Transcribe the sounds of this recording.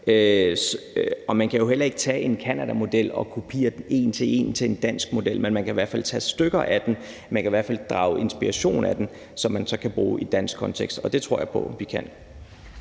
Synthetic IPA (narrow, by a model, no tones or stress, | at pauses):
ø | ɒ̽mænkʰæjo̝ɦel̰ɐe̝ɡ̥ət͡sʰɛ̰ːe̝nkʰænæd̥æmo̝d̥el̰ɒ̽kʰupʰḭːɐd̥e̝̰ːnt͡sʰe̝e̝̰ːnt͡sʰe̝end̥æn̰sɡ̥̚mo̝d̥el̰menmænkʰæiʋæɐ̰dfæl̰t͡sʰɛ̰ːsd̥øɡ̥ɐʔæd̥en | mænkʰæiʋæɐ̰fæl̰d̥ʁɑ̈ʊe̝nsb̥iʁɐɕo̝̰ːn̩æd̥en | sɒ̽mːænsɒ̽kʰæb̥ʁuːid̥æn̰sɡ̥kʰɒ̽nt͡sʰeɡ̥sd̥ɒ̽d̥e̝t͡sʰʁo̝ɐ̰jɑ̈pʰɒ̽ʋikʰæn̰